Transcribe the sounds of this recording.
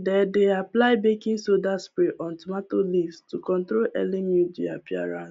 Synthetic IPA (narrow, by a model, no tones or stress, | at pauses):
dɛdeaplaɪbekĩnsodaspɹeʔɔ̃ntumatolivstukɔ̃ntɾolɛ̰limudia̰pia̰ɹã̰ns